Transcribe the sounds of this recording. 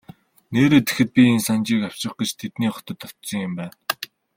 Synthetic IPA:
neːɾeːt̪e̥xɘ̆t̪̚pʲiensant͡ɕiːkaw̥t͡ɕɪ̆χɡĕt͡ɕt̪ʰet̪niːχɔ̥t̪ə̆t̪ːɔ̥t̪sɞ̆ŋjɪmpæːn

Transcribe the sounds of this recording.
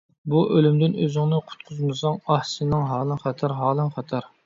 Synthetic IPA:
buʔølymd̪ɪnøzɪŋnɨqʰʊ̥t̪̚qʰʊzmɨsɑŋɑhsɨnɨŋɦɑːlˠɨnχɑt̪ʰɑɾɦɑːlˠɨnχɑt̪ʰɑɾ

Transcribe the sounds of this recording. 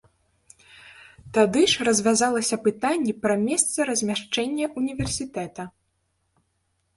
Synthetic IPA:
t̪ad̪ɨʂrɐzʲvʲazalˠɐsʲɐpɨt̪anʲːipɾɐmʲɛst̪sɐɾɐzʲmʲaʂt͡ʂɛnʲːɐʔunʲivʲɛrsʲit̪ɛt̪ɐ

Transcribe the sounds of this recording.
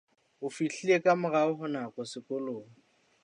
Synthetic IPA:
ʊfiɬiekʼamʊraʊɦʊnakʼɔsɪkʼʊloːŋ̩

